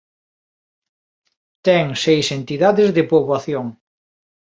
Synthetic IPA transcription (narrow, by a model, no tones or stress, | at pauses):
t̪ɛŋsejsent̪iðaðezðepoβwaθjoŋ